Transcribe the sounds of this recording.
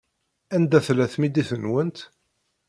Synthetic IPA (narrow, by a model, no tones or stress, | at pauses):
ænd̪æθlæθmid̪iθənwənt̪